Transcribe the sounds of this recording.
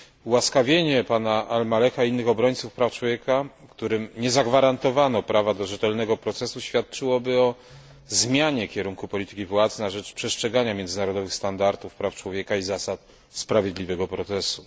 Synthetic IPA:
waskavʲjeɲɛpanaʔalmalɛxaiinːɘxɔbɾɔɲʲt̪sufpɾaft͡ʂwɔvʲjeka | kt̪uɾɘmɲɛzaɡvaɾant̪ɔvanɔpɾavad̪ɔʐɛt̪ɛlnɛɡɔpɾɔt̪sɛsuɕfʲjat̪̚t͡ʂɘwɔbɘɔ | zmʲjaɲɛkʲɛɾuŋkupɔlʲit̪ɘ̥kʲivwat̪snaʐɛt͡ʂpʂɛstʂɛɡaɲamʲjɛnd̪zɘnaɾɔd̪ɔvɘxst̪and̪aɾt̪ufpɾaft͡ʂwɔvʲjɛkaizasat̪ | spɾavʲjed̪lʲivɛɡɔpɾɔt̪sɛsu

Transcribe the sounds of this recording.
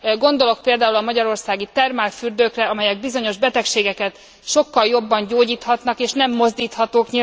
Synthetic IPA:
ɡo̞nd̪o̞lo̞k̚peːld̪aːulɒmɒɟɒɾo̞rsaːɡit̪ɛrmaːlfyrd̪øːkrɛɒmɛjɛɡ̚bizo̞ɲo̞ʒbɛt̪ɛkʃeːɡɛkɛt̪ | ʃo̞kːɒljo̞bːɒɲɟoːɟiːt̪hɒt̪nɒkeːʃnɛmːo̞zd̪iːt̪hɒt̪oːkɲi

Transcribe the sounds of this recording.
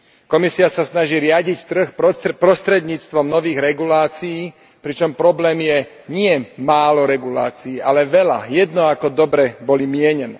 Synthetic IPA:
kɔmisiasasnaʒiːɾɪaɟict̪r̩xpɾɔst̪ɾɛd̪ɲiːt͡st̪ʋɔmnɔʋiːɣɾɛɡulaːt͡sijiː | pɾit͡ʃɔmpɾɔblɛːmjɛ | ɲɪɛmaːlɔɾɛɡula̰ːt͡siːʔalɛʋɛla̰jɛd̪nɔakɔd̪ɔbɾɛbɔlimɪɛɲɛnɛː

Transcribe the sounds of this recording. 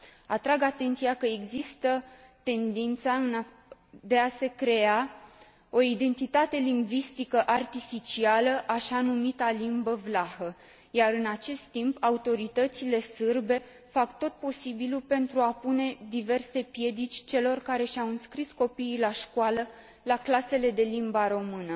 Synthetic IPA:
at̪ɾaɡat̪e̞nt̪sijakəeɡzist̪ət̪e̞nd̪int̪saɨn | d̪e̞ase̞kɾe̞a | o̞id̪e̞nt̪it̪at̪e̞liŋɡvist̪ikəʔart̪ifit͡ʃialəʔaʃanumit̪alimbəvlahə | jaɾɨnat͡ʃe̞st̪ːimpaut̪o̞ɾit̪ət̪sile̞sɨrbe̞ | fakt̪o̞t̪̚po̞sibilupe̞nt̪ɾuapune̞d̪ive̞rse̞pje̞d̪it͡ʃʲt͡ʃe̞lo̞rkaɾe̞ʃawɨnskɾisko̞piːlaʃkwalə | laklase̞le̞d̪e̞limbaɾo̞mɨnə

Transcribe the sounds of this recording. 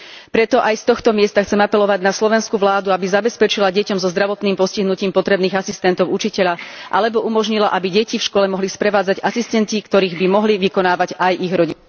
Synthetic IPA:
pɾɛt̪ɔʔajst̪ɔxt̪ɔmɪɛst̪axt͡sɛmapɛlɔʋaɟnaslɔʋɛnskuʋlaːd̪uabizabɛspɛt͡ʃilaɟɛcɔmzɔzd̪ɾaʋɔt̪niːmpɔsciɦnuciːmpɔt̪ɾɛbniːɣasist̪ɛnt̪ɔʊut͡ʃicɛʎaʔa̰lɛbɔʔumɔʒɲilaʔabiɟɛcifʃkwɔlɛmɔɦlispɾɛʋaːd͡zaɟasist̪ɛnt̪ikt̪ɔɾiːɣbimɔɦliʋikɔnaːʋaɟajiɣɾɔɟi

